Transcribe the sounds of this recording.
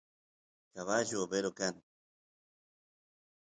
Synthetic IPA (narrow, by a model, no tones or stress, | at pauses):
kaβaʒobeɾokan